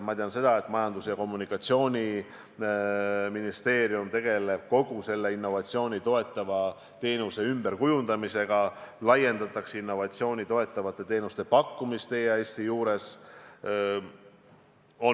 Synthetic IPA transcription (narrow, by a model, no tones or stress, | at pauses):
mɑt̪eɑnse̞d̪̥ɑe̞t̪ːˑmɑjɑnd̪̥usjɑko̞mːunikːˑɑt̪sio̞ːnʲi | minist̪e̞ːɾijumt̪e̞ɡ̥e̞le̞b̥ko̞ɡ̥use̞lːe̞inːo̞vɑt̪ʲsio̞ːnʲit̪o̞e̞t̪ˑːɑvɑ | t̪e̞ːnuse̞ymbeɾkujund̪ɑmise̞ɡ̥ɑlɑje̞nd̪̥ɑt̪ːˑɑksinːo̞vɑt̪sio̞ːnʲit̪o̞e̞t̪ːˑɑvɑt̪ːˑe̞t̪e̞ːnust̪e̞pɑkːumist̪e̞jɑe̞ːsʲt̪ijuːɾe̞s | o